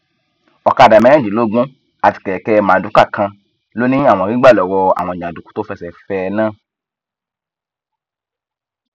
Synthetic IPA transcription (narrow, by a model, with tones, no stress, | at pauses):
ɔ˨ka˨˧˨da˨mɛ̃˨˦ɛ̃˦˨d͡ʒi˨lo˨˦ɡ͡bũ˦ | a˦˨ti̥˧kɛ˨ɛ˨kɛ˧mã˨du˨˦ka˦˨kã˧ | lo˦nĩ˦a˦˨w̃ɔ̃˧˨ɾi˦ɡ͡ba˦˨lɔ˨wɔ˧a̰˨w̃ɔ̃˧˨ɲ˨ã˨du˨ku̥˨˦to˦fɛ˧sɛ˨fɛ˦˧nãː˦˨